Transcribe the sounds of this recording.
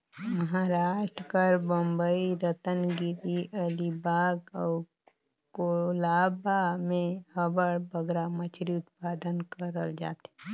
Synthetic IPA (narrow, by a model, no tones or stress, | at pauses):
məɦaɾaːʃʈɾəkəɾbə̃mbəiɾət̪ənɡɪɾiʔɐlibaːɡɔː | kolaːbamẽhəbəɽbəɡɾamət͡ʃʰɾiʊt̪̚paːd̪ənkəɾəld͡ʒa̰ːt̪ɛ